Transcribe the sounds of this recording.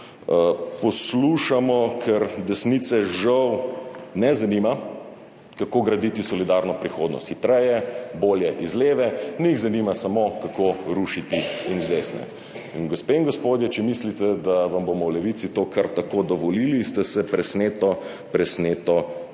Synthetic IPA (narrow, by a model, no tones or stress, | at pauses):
pɔsluʃamɔkʰɛɾd̪ɛsnit̪sɛʒawnɛzanima | kakoːɡɾɐd̪it̪isɔlid̪aɾnɔpɾixoːd̪nɔ̰st̪xit̪ɾɛjɛboːljɛʔizleːʋɛniiɣzanimasamokakoɾuʃit̪iinzd̪esnɛ̰ | inɡospeːŋɡospoːd̪jɛt͡ʃɛmislit̪ɛd̪aʋambomɔwlɛʋit̪sit̪oːkʰaɾt̪akod̪ɔʋɔliːlist̪ɛsɛpɾɛsneːt̪ɔ | pɾɛsneːt̪ɔ